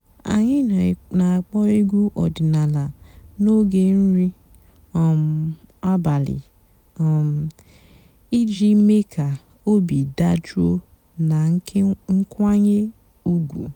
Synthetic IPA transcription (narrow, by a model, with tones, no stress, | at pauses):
a̰˨ɲɪ˦nna˨a˨k͡pɔ˦i˦ɡʷu˦ʔɔ˨dɪ˨na˨la˨no˦ɡe˨n̩˦ɾi˦ | ɔ˨m̩˨a˦ba˨lɪ̰˨ | ɔ˨m̩˨ | i˦d͡ʒi˦me˦kʰa˨ | o˦bi˨da˦d͡ʒu˦o˦ | na˨˦ŋ̩˦kʷa˦ɲe˦ | u˦ɡʷṵ˨